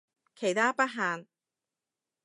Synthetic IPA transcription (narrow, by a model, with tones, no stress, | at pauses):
kʰe˨˩jt̪ʰaː˥pɐ˥t̚ɦaː˨˧n